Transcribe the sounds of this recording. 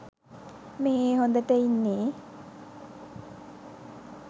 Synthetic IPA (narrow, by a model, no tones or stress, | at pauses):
meɦeːɦond̪ət̪einːeː